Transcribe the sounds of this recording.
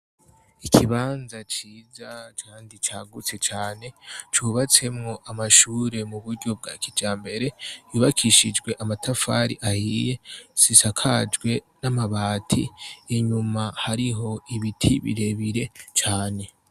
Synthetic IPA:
ikʰiβaːnzat͡ʃiːzat͡ʃaːndit͡ʃaːɡut͡se̞t͡ʃaːne̞t͡ʃuβat͡se̞mŋo̞ʔamaʃuːɾe̞muβuɾɟo̞b̚ɡa̰ːkid͡ʒaːmbe̞ɾe̞juːβakʰiʃid͡ʒɡwe̞ʔamatafa̰ɾḭʔahiːje̞sisakʰaːd͡ʒɡwe̞ | namaβaːtʰḭːɲumahaɾiɦo̞iβitʰiβḭɾe̞βiɾe̞t͡ʃaːne̞

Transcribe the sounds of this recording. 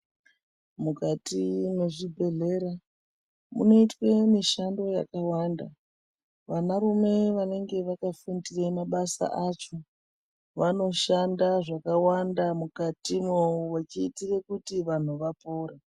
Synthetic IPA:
mukatine̞ʐibʱe̞ɮe̞ɾa | mṵno̞itwemiʃando̞ja̰kawaːnda̰ | ʋanaɾume̞ʋane̞ŋɡe̞ʋakafundiremaɓasa̰ʔat͡ʃo̞ | ʋano̞ʃandaʐakawandamukatimweuwat͡ʃiːtirekutiʋan̤uʋapoːɾa

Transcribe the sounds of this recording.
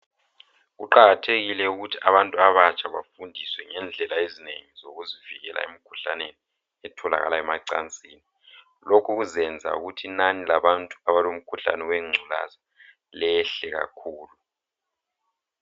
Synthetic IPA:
ɣuǃaɣatʰeɣilɛuɣutʰiaβantʼuaβat͡ʃʼʰaβafundʱiswɛŋɛnd͡ɮʱɛlaezinḛŋizoɣuziviɣɛla̰ḛmikʰu̥ɬa̰neni | ɛtʰɔla̰ɣa̰laɛmaǀa̰nt͡sʼiːni | lokʰuɣuzɛnd͡zʱa̰ṵɣutʰinanilaβantʼu̥aβalom̩kʰuɬa̰nɛweŋ͡ǀʱula̰za | lɛɬɛɣa̰kʰuːlu

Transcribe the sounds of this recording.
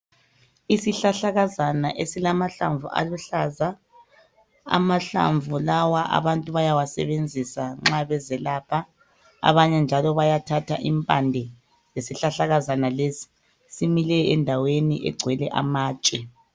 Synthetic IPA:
isiɬaɬaɣazanaʔesilamaɬa̰ɱvṵʔa̰luɬaza | a̰maɬa̰ɱvulawaʔa̰βantʼuβajawasɛ̰βend͡zʱisaŋ͡ǁaβɛzɛlaːpʰa | a̰βaɲɛnd͡ʒʱalɔβajatʰatʰaʔimpʼandʱɛ | jesiɬaɬaɣazanalesi̥ | similɛɛndʱaweniʔɛ̰ɡ͡ǀʱwɛlɛʔa̰maːt͡ʃʼɛ

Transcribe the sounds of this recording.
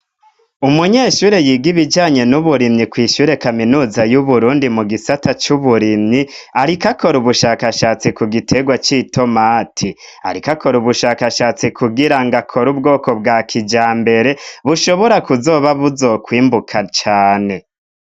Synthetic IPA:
umuɲe̞ːʃuːɾe̞jiɡiβid͡ʒaːɲe̞nuβuɾinikwiːʃuɾe̞kaminuːzajuβuɾuːndimuɡisatat͡ʃuβuɾiniaɾikakʰo̞ɾuβuʃaːkaʃaːt͡sikuɡitʰe̞ɡwat͡ʃitʰo̞maːtʰi | a̰ɾikako̞ɾuβuʃaːkaʃaːt͡sikʰuɡiɾaŋɡakʰo̞ɾub̚ɡo̞ːkobɡaːkʰid͡ʒaːmbe̞ɾe̞βuʃo̞βoɾakuzo̞ːβaβuzo̞kwiːmbukʰat͡ʃaːne̞

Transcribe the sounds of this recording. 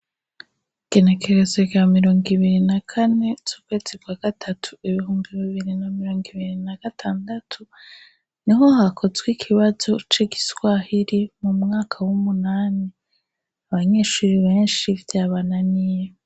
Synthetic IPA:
iɡ̥e̞ne̞kʰe̞ɾe̞zeɡamiɾo̞ːŋɡiβiɾinakʰane̞t͡ʃuːkwe̞ːz̥ikwaːɡ̥atʰatʰu̥iβihuːmbiβiβiɾinamiɾo̞ːŋɡiβiɾinaɡ̥atʰaːndatʰu | niɦo̞ɦakʰo̞zɡwikʰiβazo̞t͡ʃiɡiswahiɾimumŋaːkʰawumunaːni | aβaɲe̞ːʃuːɾiβe̞ːnʃivjaːβananije

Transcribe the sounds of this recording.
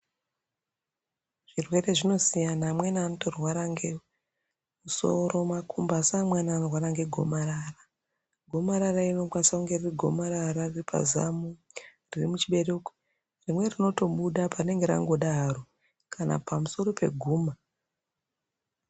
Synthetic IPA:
ʐ̥irwe̞re̞ʐino̞sijanamwenaːnotorwaɾaŋɡe | muso̞̰ɾo̞makʰumbasamwanaːnorwaɾaŋɡe̞ɡʱo̞̰maɾara | ɡʱo̞maɾaraino̞kwasauŋɡe̞ririɡʱo̞maɾaɾariripʰa̰za̰mu | ririmut͡ʃiɓe̞reko̥ | rimwe̞rino̞to̞ɓuɗaparne̞ŋɡe̞ɾa̰ŋɡo̞ɗaro̞ | kʰana̰pamuso̞ɾo̞pe̞̰ɡʱuːma

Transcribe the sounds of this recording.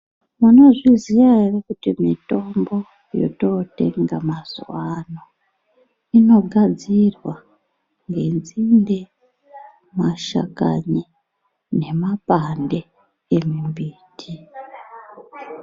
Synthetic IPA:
muno̞ʐizijaerekutimito̞mbo̞ | jo̞̰to̞te̞̰ŋɡamazuwano | ino̞ɡʱad͡zirwa | ŋɡe̞nd͡zinde | maʃa̰ka̰ɲi | ne̞mapandeː | mimbiːtʰi

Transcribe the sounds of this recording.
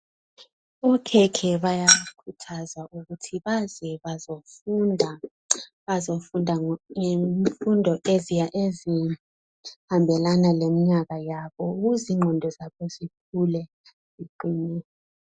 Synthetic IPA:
ɔkʰɛkʰɛɓajakʰutʰazaʔuk̬utʰiɓazɛɓazofundʱa | ɓazofundʱaŋeɱfundʱɔʔezʔezi | hambʱɛlanalemiɲak̬ajaɓɔuɣ̬uziŋ͡ǃʱɔndʱɔzaɓɔzip̚ʰulɛ | z̥iǃiːnɛ

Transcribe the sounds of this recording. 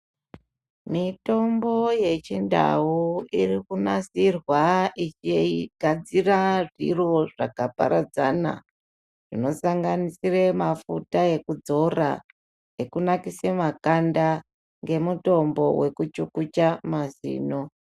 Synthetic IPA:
mito̞mbo̞je̞t͡ʃinda̰uirikunasirwait͡ʃiɡ̥ʱad͡ziraʐḭro̞ʐakapa̰ɾad͡zana̰ | ʐ̥ino̞saŋɡanisiremafutaje̞kud͡zo̞ra̰ | je̞kunakisemakanda | ŋɡe̞muto̞mbo̞we̞kut͡ʃukut͡ʃamazḭːno

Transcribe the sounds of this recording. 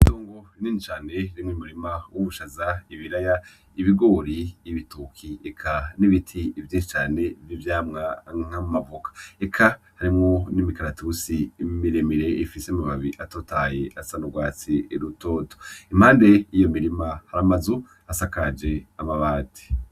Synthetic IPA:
itoːŋɡoiniːnit͡ʃaːne̞ɾimŋimuɾimawʔuβuʃazaiβiɾaja | iβiɡo̞ːɾiːβitukʰiekʰaniβitʰivjiːnʃi̥t͡ʃaːne̞vjivjaːmŋaŋ̥amumavokḁekʰa | haɾimŋo̞nimikaɾatusimiɾemiɾe̞ifisemaβaβiʔatotajeʔasanuɡwaːt͡sieɾutoːtoim̥haːnde̞ijo̞miɾimahaɾamazu | asakad͡ʒe̞amaβaːti̥

